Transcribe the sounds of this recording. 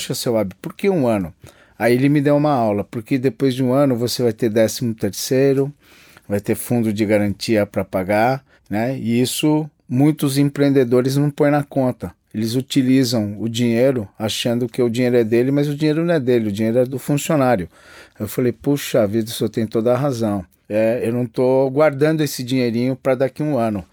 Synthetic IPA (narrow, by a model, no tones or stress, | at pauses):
ʃɐsewabɪpʊɾkeũɐ̃nʊ | aielɪmɪd̪ewũmɐawlɐpʊɾked̪epojzd͡ʒɪũɐ̃nʊvosevajt̪eɾd̪ɛsimʊt̪eɾsejɾʊ | vajt̪eɾfũnd̪ʊd͡ʒɪɡaɾɐ̃nt͡ʃiɐpɾɐpaɡaɾ | nɛiisʊ | mũj̃t̪ʊzẽpɾeẽnd̪ed̪oɾɪznɐ̃w̃põj̃nɐkõnt̪ɐ | elɪzut͡ʃilizɐ̃w̃ʊd͡ʒĩɲejɾʊaʃɐ̃nd̪ʊkɪʊd͡ʒĩɲejɾʊɛd̪elɪmɐzʊd͡ʒĩɲejɾʊnɐ̃w̃ɛd̪elɪʊd͡ʒĩɲejɾʊɛd̪ʊfũsionaɾjʊ | ewfalejpuʃɐːvid̪ɐsɔt̪ẽj̃t̪od̪ɐɦazɐ̃w̃ | ɛewnɐ̃w̃t̪oɡwaɾd̪ɐ̃nd̪ʊesɪd͡ʒĩɲejɾĩɲʊpɾɐd̪akiũɐ̃nʊ